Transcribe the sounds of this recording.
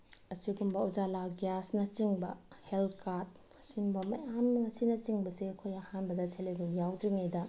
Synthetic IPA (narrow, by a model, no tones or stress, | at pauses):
ɐsiɡumbɐuzalaɡjasnɐt͡ʃiŋbɐ | helkʰaɾt̚ | simbɐmɐ̰jamɐsinɐt͡ʃiŋbɐsiɐkʰojɐhanbɐdɐsʰeleɡujawdɾiŋejdɐ